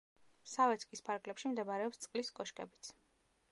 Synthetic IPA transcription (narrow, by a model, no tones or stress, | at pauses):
savɛt̪sʰkʼispʰaɾɡlɛpʃimd̪ɛbaɾɛɔpst̪sʼqʼliskʼɔʃkʼɛ̰bit̪sʰ